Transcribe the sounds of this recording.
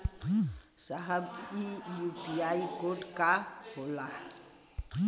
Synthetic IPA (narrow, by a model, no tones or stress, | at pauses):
saɦəbijupiaikoɖkabola